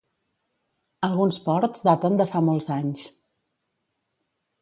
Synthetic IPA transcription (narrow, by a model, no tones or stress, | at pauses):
əlˠɣunspɔɾtzd̪at̪ənd̪əfamɔlˠzaɲs